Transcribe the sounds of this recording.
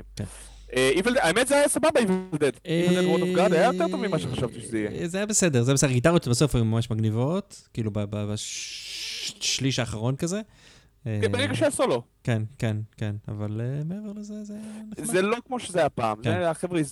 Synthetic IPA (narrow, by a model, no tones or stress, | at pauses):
mken | ʔeiveld̪eaemet̪zeajasababaiveld̪ed̪eld̪ed̪mod̪ofɡadajajot̪et̪ovmimaʃeχaʃavt̪iʃezeijezajabesedezajabesedɡit̪̬aʁjot̪baso̞fajumamaʃmaɡnivo̞t̪kiilubababa | ʃliʃaːχaʁo̞nkaze | ebeʁeɡaʃeasolo̞kenkenkena̰valemeeveʁlezezezelo̞kmoʃezeajapa̰ːmzeaχevʁeaiz